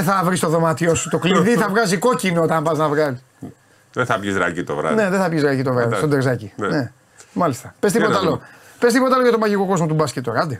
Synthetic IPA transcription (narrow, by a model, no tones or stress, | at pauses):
eθɐvɾist̪oðo̞mɐt̪io̞su̥t̪okliðiθɐvɣɐziko̞cinoot̪ɐmbɐznɐvɣɐɾis | ðeθɐpʝizɾɐ̰cit̪o̰vɾɐ̰ne̞ðeθɐpʝizɾɐkit̪o̞vɾɐðist̪od̪eɾzɐcinne | mɐlist̪ɐpesipot̪ɐlopest̪ipot̪ɐloʝɐt̪omɐʝiko̞ko̞zmot̪̬ubɐsket̪oɣɐd̪i